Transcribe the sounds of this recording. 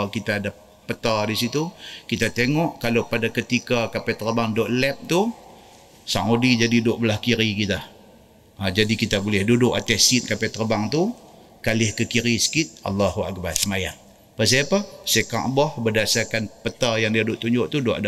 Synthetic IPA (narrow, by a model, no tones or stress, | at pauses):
alkit̪aːda | pət̪adisit̪ukit̪at̪eŋɔʔkalopadakət̪ikakapɛt̪ːərbaŋdɔʔlɛp̚t̪u | sa̰ŋodid͡ʒadidʊʔbəlahkiɾikit̪a | ad͡ʒadikit̪abolɛhdudʊkat̪ɛsit̪̚kapɛt̪ːərbaŋt̪u | kalɪhkəkiɾisə̥kit̪̚ɑ̰lːɑhua̰k̚barsəmajaŋ | pas̬ijapasekã̰ʔbɔhbədasakanpət̪ajaŋdiadʊʔt̪uɲd͡ʒʊʔt̪udoʔada